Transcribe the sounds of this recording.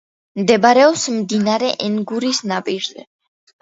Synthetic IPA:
md̪ɛbaɾɛɔpsmd̪inaɾɛʔɛŋɡuɾisnapʼiɾzɛ̰

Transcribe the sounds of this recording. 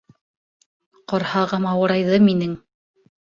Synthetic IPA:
qɑɾhɑʁɑmɑwɤ̆ɾɑjðɤminɘŋ

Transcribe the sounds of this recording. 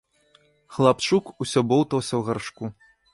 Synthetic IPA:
xlˠapt͡ʂukusʲɔbɔwt̪ɐwsʲɐwɣarʂku

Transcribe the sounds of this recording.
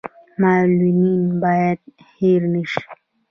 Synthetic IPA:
maːlumiːnbaːjad̪̚ | heɾniʃ

